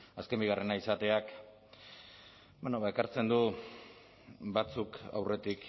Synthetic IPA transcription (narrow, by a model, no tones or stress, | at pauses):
aske̞mbiɣ̞are̞naisat̪e̞ak | benoβae̞kaɾt͡se̞nd̪u | bat͡suka̰wre̞t̪ik